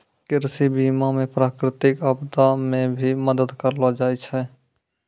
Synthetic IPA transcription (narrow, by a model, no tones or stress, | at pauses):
kɪɾsibiːmamẽpɾaːkɾɪt̪ɪkəbd̪amẽbʱiməd̪əd̪kəɾlad͡ʒaːit͡ʃʰɛ